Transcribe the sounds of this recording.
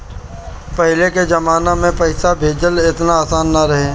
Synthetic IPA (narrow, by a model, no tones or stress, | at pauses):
pəɦleked͡ʒɐmaːnamẽpɐɪsabʱeːd͡ʒəlɪt̪naaːsaːnːaɾəɦe